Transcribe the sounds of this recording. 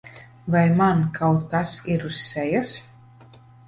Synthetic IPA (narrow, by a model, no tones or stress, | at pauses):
vajmankʰaw̪asiɾusːɛjas